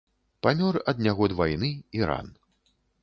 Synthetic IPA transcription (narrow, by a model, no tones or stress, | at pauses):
pamʲɔrɐd̪nʲaɣɔd̪vajnɨiɾa̰n